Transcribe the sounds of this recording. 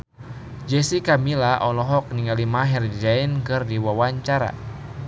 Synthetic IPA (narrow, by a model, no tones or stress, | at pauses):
d͡ʒɛsikamilaʔɔlɔɦɔk̚niŋalimaɦɛrd͡ʒainkɨrdiwawaɲt͡ʃaɾa̰